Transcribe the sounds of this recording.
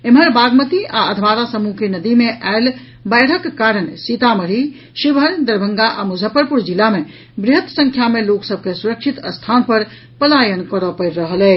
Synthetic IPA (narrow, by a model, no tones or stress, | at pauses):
emɦəɾbaɡmət̪iʔaəd̪ʱmaɾasəmukenəd̪imeʔal | bəjɽ̤əkːaɾənsit̪aməɾi | ʃibəɾd̪əɾbʱəŋɡaʔamud͡ʒʱəpəɾpuɾd͡ʒilame | bɾiɦət̪sə̃ŋkʰjameloksəb̚ʱkesuɾəkʃʰit̪əst̪ʰanpəɾ | pəlajənkəɾəpəjɾɾəɦəlɛ